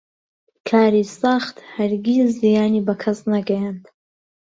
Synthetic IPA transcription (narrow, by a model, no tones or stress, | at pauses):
kʰaːɾisaxt̪hɐɾɡizzijaːniːbɐkʰɐsnɐɡɐjaːnd̪